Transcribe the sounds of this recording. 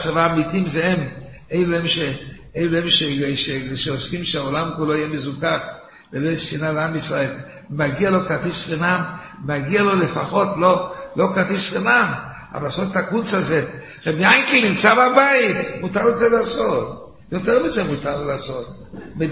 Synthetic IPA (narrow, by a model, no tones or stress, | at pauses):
t͡savaːmitimzeem | ejluemʃe | ejlemʃeʃeʃeoskimʃeaolamkuloijemezukaχ | bebesinalamisʁael | maɡialo̞kat̪isχinamː | aɡialo̞lefaχo̞tlo̞lo̞kʁat̪isʁinam | a̰valaːsot̪takut͡saze | ʁebiajkilnimt͡sababait̪mutaʁlezelaːso̞t | joteʁmizemutallaːso̞t̪ | me